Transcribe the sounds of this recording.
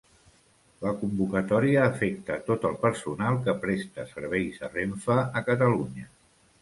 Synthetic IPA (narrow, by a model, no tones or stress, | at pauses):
ləkumbukət̪ɔɾiəːfɛk̚t̪ət̪ot̪əlˠpəɾsunalˠkəpɾɛst̪ə̰səɾβ̞ɛjzə̰reɱfəəkət̪əluɲə